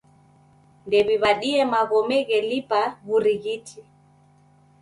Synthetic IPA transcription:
ndɛβiβaɗiɛmaɣɔmɛɣɛlipaβuɾiɣitʰi

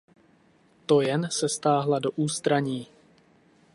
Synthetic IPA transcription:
t̪o̞jɛnsɛst̪aːɦladoʔuːst̪ɾaɲiː

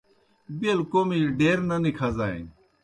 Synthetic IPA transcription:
bilkomiɖeːɾnɐnikʰɐzaːḭ̃

